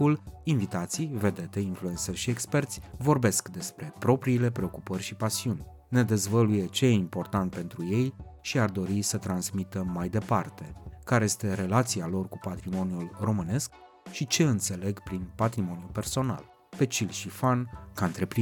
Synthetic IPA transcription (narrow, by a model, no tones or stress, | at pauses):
ulinvit̪at̪sijve̞d̪e̞t̪einfluensərʲʃiekspe̞rt̪sʲvo̞rbe̞skd̪e̞spɾe̞pɾo̞pɾiːle̞pɾe̞o̞kupərʲʃipasiunʲ | ne̞d̪e̞zvəluje̞t͡ʃe̞jeimpo̞rt̪ant̪̚pe̞nt̪ɾuje̞jʃiard̪o̞ɾisət̪ɾansmit̪əmajd̪e̞part̪e̞kaɾe̞je̞st̪e̞ɾe̞lat̪sialo̞rkupat̪ɾimo̞njulro̞mɨne̞sk | ʃit͡ʃe̞ɨnt̪se̞le̞ɡpɾinpat̪ɾimo̞njupe̞rso̞na̰l | pe̞t͡ʃilʃifankaɨnt̪ɾe̞pɾi